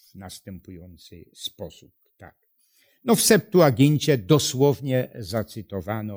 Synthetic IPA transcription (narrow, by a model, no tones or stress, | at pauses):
vnast̪ɛmpujɔnt̪sɪ̰spɔsup̚t̪a̰k̚ | nɔfsɛp̚t̪uaɡʲiɲt͡ɕɛd̪ɔswɔvɲɛzat̪sɘt̪ɔvanɔ